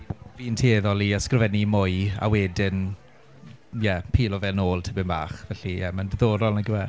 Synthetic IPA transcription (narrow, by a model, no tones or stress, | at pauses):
viːntʰieðɔlˠiəskrəvɛnimʊɨa̰wɛdɪn | jɛpʰiːlˠɔvɛnoːlˠtʰɪbɪnba̰ːχvɛɬiəməndəðoːɾɔlˠnəɡəwɛ